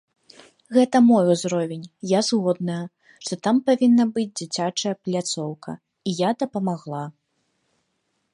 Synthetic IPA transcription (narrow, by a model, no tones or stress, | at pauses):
ɣɛt̪ɐmɔjuzɾɔvʲenʲjazɣɔd̪nɐjɐ | ʂt̪ɔt̪ampavʲinːɐbɨd͡zʲd͡zʲit͡sʲat͡ʂɐjɐplʲat̪sɔwkɐ̰ | ijad̪ɐpɐmaɣlˠa